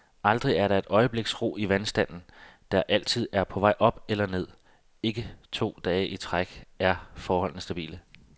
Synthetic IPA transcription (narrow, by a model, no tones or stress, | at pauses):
ʔɑ̈ld̥ʁiæɐɾ̥ɑ̈e̝d̥ɒ̽ɪəb̥le̝ɡ̥sʁo̝̰ːiʋænsd̥æn̰n̩d̥æɐʔæl̰t͡sʰið̞̰ˠæɐpʰɒ̽ʋɑ̈ɪʔɒ̽b̥elɐne̝ð̰ˠ | e̝ɡ̥ət͡sʰo̝̰ːd̥ɛːʔit͡sʰʁaɡ̥æɐfɒːhɒ̽l̰n̩sd̥æb̥ḭːlə